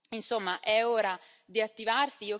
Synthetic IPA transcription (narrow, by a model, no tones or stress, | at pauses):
insomːaʔɛɔːɾa | d̪iat̪ːivarsiiːo